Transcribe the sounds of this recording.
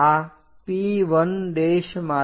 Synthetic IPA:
a | piʋənd̪eːʃmaː

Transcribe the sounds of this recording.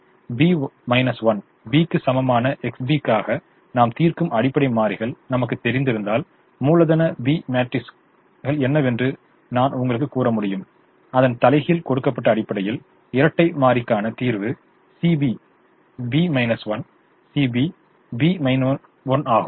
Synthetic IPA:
biːmɐɪnɐsʋɐn | biːkːɯsɐmɐmaːnɐʔɛksbiːkːaːɣɐ | naːmt̪iːrkɯmɐɽɪpːɐɽɐɪmaːɾɪɣɐɭnɐmɐk̬ːɯt̪ːɛɾɪnd̪ɪɾɯnd̪aːl | muːlɐðɐnɐbiːmaːʈːɪs | ɣɐɭɛnːɐʋɛndrɯ | naːnʊŋɡɐɭɯkːɯkːuːrɐmʊɽɪjɯm | ɐðɐnt̪ɐlɐɪɣɪlkɔɽɯkːɐpːɐʈːɐːɽɪpːɐɽɐjɪl | ɪɾɐʈːɐɪmaːɾɪkːaːnɐt̪iːɾʋɯ | sibi | biːmɐɪnɐsʋɐn | siːbi | biːmɐɪn | ʋɔnaːɣɯm

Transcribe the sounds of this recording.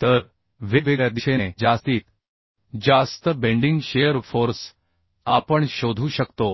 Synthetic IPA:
t̪əɾ | ʋiʋeɡɭjad̪iɕeed͡zast̪iːt̪ | d͡ʑast̪əbẽɳɖiŋɡɕejəɾfoɾs | apəɳɕod̪ʱuːɕəkt̪o

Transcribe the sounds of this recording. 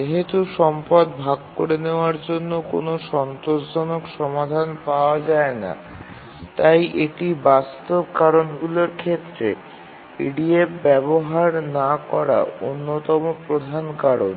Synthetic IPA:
d͡ʑeɦet̪uʃɔmpad̪bʱaɡkoɾeneoaɾd͡ʑonːoko̰noʃɔnt̪oʃd͡ʑonokʃɔmad̪ʱanpaoad͡ʑaena̰ | t̪ajʔeʈibast̪obkaɾonɡuloɾkʰet̪ːɾḛ | pḭɖiebbɛboɦaɾnakɔɾa̰onːot̪ɔmopɾod̪ʱankaɾo̰n

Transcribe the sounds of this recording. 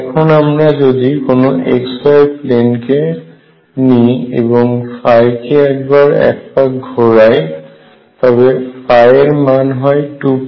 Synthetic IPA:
ɛkʰɔnamɹazodikʊnʊʔḛksajplenkɛ | niḛbɔŋpʰajkɛɛk̚bɔɹɛ̰k̚pakɡʱɔɹaj | tabɛpʰajɛɹmanɦɔjtup

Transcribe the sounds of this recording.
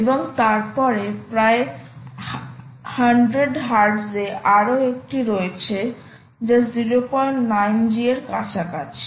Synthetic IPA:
eboŋt̪aɾpɔɾepɾae | haɳɖɾeɖɦaɾɖzeaɾoek̚ʈiɾoet͡ɕʰe | d͡ʑeziɾopɔnajnd͡ʑieɾkat͡ɕʰakat͡ɕʰ

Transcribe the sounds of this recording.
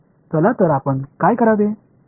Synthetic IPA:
t̪ɔlat̪əɾapənkajkəɾad̪e

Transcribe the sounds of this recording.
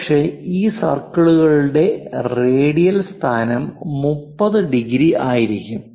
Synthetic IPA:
ʂeiːsɐ̰rkɐɭuɣɐɭuɽe̞reːɽijɐlst̪ʰaːnɐmːupːɐðɨɖiɣɾiaːjiɾikʲːum

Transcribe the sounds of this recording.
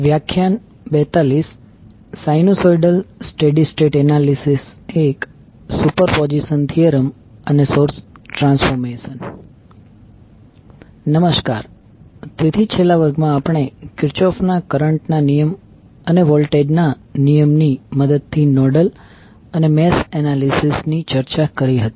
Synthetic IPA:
ʋjakʰːjan | bɛt̪alisː | ajnosɔiɖəlsʈeɖisʈeʈɛnalisisek | supəɾpɔd͡ʒisənt̪ʰijəɾəm | ənesoɾsʈɾãnsfɔɾmesən | nəməʃka̰ɾ | t̪et̪ʰit͡ʃʰelaʋəɾɡmãːpəɳ̃ekɪɾt͡ʃɔfnakəɾəɳʈnanijəm | əneʋɔlʈeɖna | nijəmniməd̪əd̪̚t̪ʰinɔɖəl | ənemesenalisisnit͡ʃəɾt͡ʃakəɾiɦət̪i̥

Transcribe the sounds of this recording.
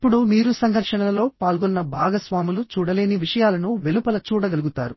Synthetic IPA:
ipːuɽumiːɾusɐŋɡʱɐɾʂɐnɐlɐlo̞ːpaːlɡɔnːɐbʱaːɡɐsʋaːmulut͡ʃuːɽɐle̞ːniʋiʂɐjaːlɐnuʋe̞lupɐlɐt͡ʃuːɽɐɡɐluɡut̪a̰ːɾu

